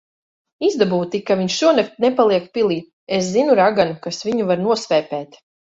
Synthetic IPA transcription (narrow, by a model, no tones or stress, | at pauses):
izd̪abuːt̪ikaviɲʃʃuɔnak̚t̪̚nepalˠiɛkpilˠiːt̪̚ | eszinuɾaɡanukasviɲuvaɾnuɔsvɛːpɛːt̪